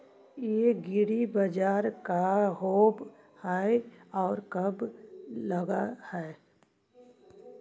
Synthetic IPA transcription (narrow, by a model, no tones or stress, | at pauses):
jeɡɪɽibəd͡ʒaːɾkaɦoːb | haɔːɾkəbləɡahɛ